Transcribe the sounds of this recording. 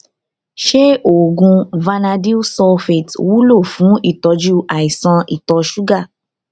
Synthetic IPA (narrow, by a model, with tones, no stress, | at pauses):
ʃe˦o˨ɡũ˧va˧na˧di˦u˦sɔ˧fe˨twu˦lo˦˨fũ˨˦i˦˨tɔ˨˧d͡ʒu˦ʔa˨i˨sã˧i˦˨tɔ˧ʃu˦ɡa˦˨